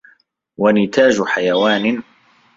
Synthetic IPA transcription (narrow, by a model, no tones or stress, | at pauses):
wanɪt̪ʰaːd͡ʒħajawaːnɪ